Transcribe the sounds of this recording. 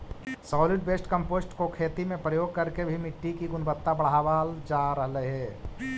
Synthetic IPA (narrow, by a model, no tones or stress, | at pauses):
sɔːlɪʈ̚beːsʈkə̃mpoːsʈkokʰeːt̪imẽpɾəjoːɡ̚kɐɾkebʱimɪʈːikiɡʊnbət̪ːabɐɽ̤aːʋaːld͡ʒaːɾəɦləɦɛː